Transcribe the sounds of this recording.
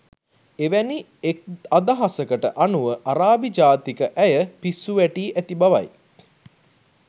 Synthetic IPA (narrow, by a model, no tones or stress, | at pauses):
eʋæni | ek̚ad̪aɦasəkəʈəʔanuʋəʔaɾaːbid͡ʒaːt̪ikəʔæjəpisːuʋæʈiːʔæt̪ibaʋa̰j